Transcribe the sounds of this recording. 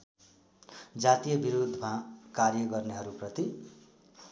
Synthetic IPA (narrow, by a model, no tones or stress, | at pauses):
d͡zat̪ijʌbiɾud̪ʱːmakarjʌɡʌrneɦʌɾuprʌt̪i